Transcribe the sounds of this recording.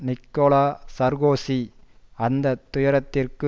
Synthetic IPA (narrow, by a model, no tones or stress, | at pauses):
nɪkːoːlaːsɐɾɣoːsi | ɐnd̪ɐt̪ʊjɐɾɐt̪ːɪrkɯ